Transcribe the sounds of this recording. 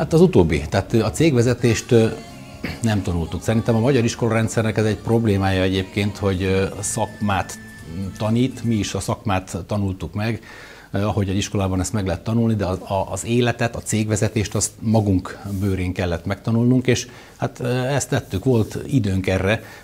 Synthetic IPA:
hat̪ɒzut̪oːbːḭt̪aːt̪ɒt̪seːɡʋɛzɛt̪eːʃt̪ | nɛmt̪ɒnult̪uksɛɾint̪ɛmɒmɒɟɒɾiʃko̞lɒɾɛnt̪sɛrnɛkɛzɛɟ̚pro̞bleːmaːjɒɛɟeːpkeːnt̪ho̞ɟsɒkmaːt̪ | t̪ːɒniːt̪miːʃɒsɒkmaːt̪ːɒnult̪ukmɛɡ | ɒɦo̞ɟɒziʃko̞laːbɒnɛst̪mɛɡlɛɦɛt̪ːɒnulnid̪ɛɒɒzeːlɛt̪ɛt̪ɒt̪seːɡʋɛzɛt̪eːʃt̪ɒst̪mɒɡuŋkbøːɾeːŋkɛlːɛt̪mɛkt̪ɒnulnuŋkeːʃ | hat̪ɛst̪ːɛt̪ːykʋo̞lt̪id̪øːŋkɛrːɛ

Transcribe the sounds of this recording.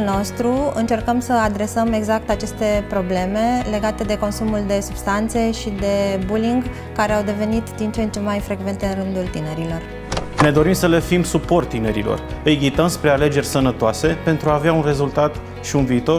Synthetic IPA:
no̞st̪ɾuɨnt͡ʃe̞rkəmsəad̪ɾe̞səme̞ɡzak̚t̪at͡ʃe̞st̪e̞pɾo̞ble̞me̞le̞ɡat̪e̞d̪e̞ko̞nsumuld̪e̞sub̥st̪ant̪se̞ʃid̪e̞buliŋɡ | kaɾeawd̪e̞ve̞nit̪d̪int͡ʃent͡ʃe̞majfɾe̞ɡve̞nt̪eɨnrɨnd̪ult̪ine̞ɾilo̞r | ne̞d̪o̞ɾimsəle̞fimsupo̞rt̪ːine̞ɾḭlo̞̰r | ɨjɡʲit̪əmspɾe̞ale̞d͡ʒe̞rʲsənət̪oase̞pe̞nt̪ɾuaːveaunre̞zult̪at̪ | ʃiunviːt̪o̞

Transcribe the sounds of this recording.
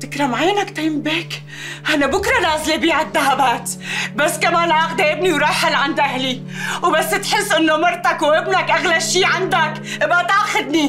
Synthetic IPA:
t̪ɪkɾˤɑmʕajnakt̪ajɪmbeːk | ʔanabʊkɾˤɑnɑːzˤlebiːad̪ːaɦabaːt̪basːkamaːnʕaxd̪aʔɪbniwɾˤɑːħɪlʕand̪ʔaɦli | wbasːt̪ħɪsːʔɪnːomɑɾˤt̪akwʔɪbnakʔaɣlaʃiːʕand̪ak | ʔɪbat̪ʕaxʊd̪ni

